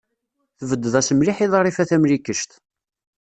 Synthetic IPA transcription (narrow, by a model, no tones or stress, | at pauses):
θəvəd̪ːəðæsəmliħiðˤrˤːifæθæmlikəʃt̪